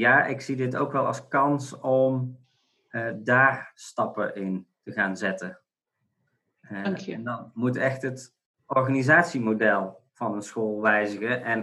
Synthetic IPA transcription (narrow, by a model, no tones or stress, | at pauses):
jaːʔɪksidɪto̰wkʋɛlˠɑ̰skɑnsɔm | daːɹstɑpə̰ʔɪntəχaːnzɛtə | ndɑnmutɛχtɦət | ɔɹχaːnizaːtsimowdɛlˠv̥ɑnənsχoːlˠʋɛjzəχəʔɛn